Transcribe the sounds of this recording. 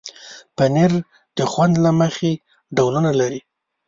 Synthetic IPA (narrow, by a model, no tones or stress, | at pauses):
paneɾ | d̪̥əxwand̪laməxe | ɖawlunalaɾi